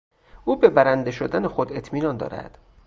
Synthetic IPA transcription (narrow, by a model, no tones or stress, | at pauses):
uːbe̞bæɾænd̪e̞ʃod̪ænexod̪e̞t̪ʰmiːnɒːnd̪ɒ̰ːɾæ̰d̪̥